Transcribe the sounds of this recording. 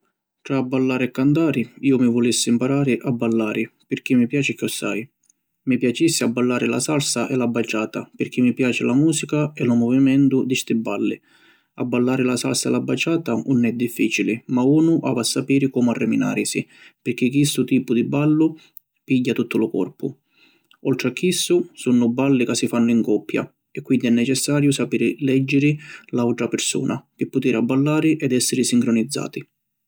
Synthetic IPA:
t̪ɾaːbːalːaːɾɪɛkːant̪aːɾɪiːʊmivɔlisːɪimpaɾaːɾɪʔabːalːaːɾɪpɪrk̟imːipjaːt͡ʃɪkɔsːa̰j | mipjat͡ʃisːɪabːalːaːɾɪla̰salsaʔɛlabːat͡ʃːaːt̪apɪɾk̟imːipjaːt͡ʃɪlamuːsikaɛlʊmɔvimɛnt̪ʊd̪ist̪ɪbːalːɪ | a̰bːalːaːɾɪlasa̰lsaɛ̰labat͡ʃːaːt̪aunːɛd̪ːifːiːt͡ʃilɪmauːnʊʔa̰vasːapiːɾɪkɔːmarːɛmina̰ːɾɪsipɪɾk̟ɪkːist̪ʊt̪iːpʊd̪ibalːʊ | piɟːat̪ut̪ːʊlʊkɔ̰rpʊ̰ | ɔlt̪ɾɪakːisːʊsunːʊbːalːɪkasːifanːʊiŋkɔpːja̰ | ɛkːwind̪iɛnːɛt͡ʃɛsːaːɾjʊsapiːɾɪlɛd͡ʒːɪɾɪlawt̪ɾapɪɾsṵːnʔakɪpːʊt̪iːɾabːalːaːɾɪʔɛd̪ɛsːɪɾɪsiŋkɾʊnid̪zːa̰ːt̪i

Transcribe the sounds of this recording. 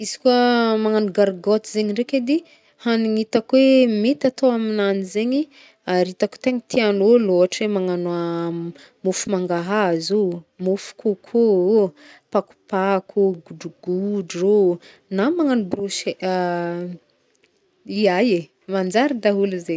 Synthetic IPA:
izi̥kuəmaŋanuɡaɾɡɔt̪izeɲiɳɖ͡ʐeked̪i | haniŋit̪akwemet̪at̪oaminanizeɲi | aɾit̪aku̥t̪eŋit̪ʰianoloaʈ͡ʂemaŋana | mufumaŋɡaɦazumufu̥kukʰo | paku̥pakʰuɡuɖ͡ʐuɡ̥uɖ͡ʐo | namaŋanubɾuʃea | iaje | mand͡ʒaɾid̪aɦuluze

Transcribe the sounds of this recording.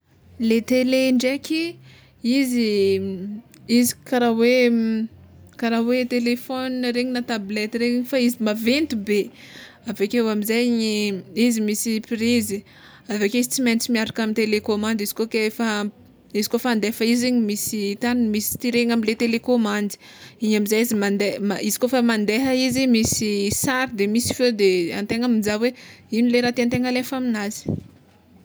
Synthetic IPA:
let̪eleɳɖ͡ʐekʰʲi | izi | izi̥kaɾawe | kaɾawet̪elefɔnɾeɲinat̪ablɛt̪iɾeɲfaizimavent̪ube | avekewamizajɲiizimisipiɾizi | avekeizit͡simant͡simiaɾakamint̪elekomãnd̪izi̥kokefa | izikofaand̪efəiziɲimisit̪anmisi̥t̪iɾeŋamilet̪elekomãnd̪i̥ | iɲamizajizimand̪emaizi̥kofamand̪eɦəizimisisaɾid̪emisi̥fed̪ea̰nt̪eŋamid͡ʒaweinileɾat̪iant̪eŋalefaminazi̥

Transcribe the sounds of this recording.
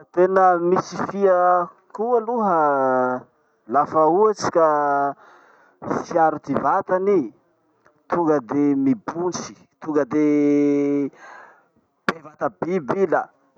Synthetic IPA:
t̪enəmisifiə | kualuɦə | lafauat͡si̥ka | siaɾut̪ivat̪ani | t̪uŋɡəd̪emibunt͡si̥ | t̪uŋɡəd̪e | b̥evat̪əbibilə

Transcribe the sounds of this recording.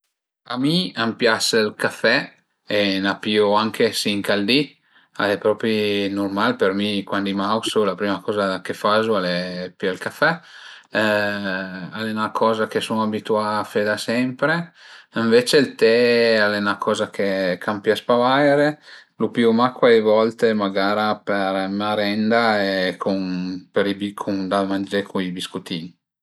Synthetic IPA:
amiampjaslkafɛ | enapioaŋkʰesiŋkald̪i | a̰lepɾɔːpɾinurmalpermikwand̪imawsolapɾiːmakɔːzad̪akefazualepialkafɛ | alenakʰɔːzakesonabit̪uafed̪asɛmpɾeiɱvet͡ʃelt̪ɛalɛnakʰɔːzak̟ekʰampjaspavajɾelupiomakːwaevɔlt̪emaɡaːɾapermaɾɛnd̪aekʰonpeɾibikʰond̪amand͡ʒekʰoibiskut̪iːni

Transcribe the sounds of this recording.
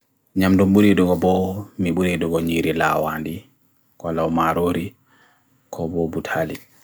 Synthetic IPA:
ɲamdumɓuɾidɔɡɔbɔmiɓuɾidɔɡɔɲiɾila̰wandi | kalawmaɾoɾi | kʰɔbɔbutʰali

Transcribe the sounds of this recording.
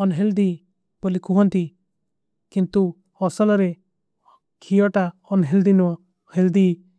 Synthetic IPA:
ɔnɦeld̪i | bɔlikʰuɦɔnt̪i | kint̪u | ɔsɔlɔɾe | kʰijɔʈaɔnɦeld̪inɔ | held̪i

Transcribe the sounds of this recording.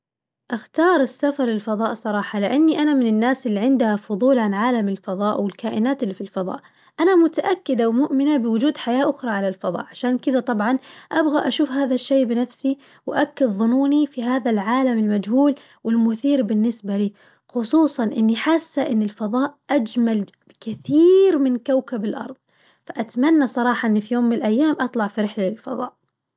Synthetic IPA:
ʔaxt̪ɑːɾˤɪsːafɑɾˤɪlfɑðˤɑːʔsˤɑɾˤɑːħɑlɪʔanːiʔanamɪnɪnːaːsɪlːiʕɪnd̪ahafʊðˤuːlʕanʕaːlamɪlfɑðˤɑːʔwɪlkaːʔɪnaːt̪ɪlːifilfɑðˤɑ̰ːʔ | ʔanamʊt̪aʔakːɪd̪awmʊʔmɪnabɪwʊd͡ʒuːd̪ħajaːʔʊxɾˤɑʕalalfɑðˤɑ̰ːʔʕaʃaːnkɪðat̪ˤɑbʕɑnʔabɣaʔaʃuːfɦaːðaʃːeːbɪnafsi | wʔakːad̪ðˤʊnuːnifiɦaːðalʕaːlamɪlmad͡ʒɦuːl | wɪlmʊθiːɾbɪnːɪsbaliː | xʊsˤuːsˤɑnʔɪnːiħasːaʔɪnːɪlfɑðˤɑːʔʔad͡ʒmal | kɪθiːɾmɪnkawkabɪlʔɑ̰ɾˤðˤ | faʔat̪manːasˤɑɾˤɑːħɑʔɪnːifijoːmːɪnɪlʔajːaːmʔɑt̪ˤlɑʕfiɾɪħlalɪlfɑ̰ðˤɑ̰ːʔ

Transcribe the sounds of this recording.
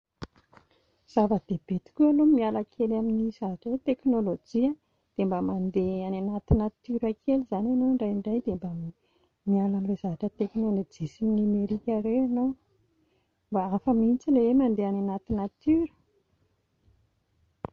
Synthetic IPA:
z̥avəd̪̥eb̥et̪i̥kʲualomialakʰelaminizavaʈ͡ʂəwet̪eknolod͡ʒiə | d̪̥embəmand̪eananat̪inat̪yɾakʰelizananoɳɖ͡ʐajiɳɖ͡ʐajd̪embam | mialanlezavaʈ͡ʂət̪eknolod͡ʒisiminimeɾikʲəɾewano | mbaafəmint͡silewemand̪eananat̪inat̪yɾə̥

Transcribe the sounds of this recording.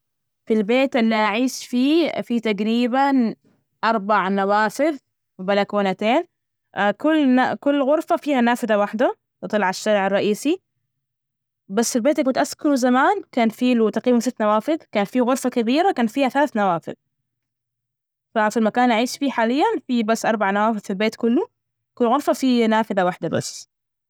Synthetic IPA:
filbeːt̪ʔɪlːiʔaʕiːʃfiːfiːt̪aɡɾiːban | ʔɑɾˤbaʕnawaːfɪð | wbalakoːnat̪eːn | kʊlːnakʊlːɣʊɾfafiːhanaːfɪd̪awaħd̪a | t̪ɨt̪ˤɑlʕaʃːaɾʕɑrˤːɑʔiːsi | basːfilbeːt̪lkʊnt̪ʔaskʊɾuzamaːnkaːnfiːlut̪aqiːbansɪt̪ːnawaːfɪðkaːnfiːɣʊɾˤfakabiːɾakaːnfiːhaθalaːθnawaːfɪ̰ð | fafimakaːnʔaʕiːʃfiːħaːlɪjːanfibasːʔɑɾˤbaʕanawaːfɪðfilbeːt̪kʊlːu | kʊlːɣʊɾˤfafinaːfɪðawaħd̪abasː

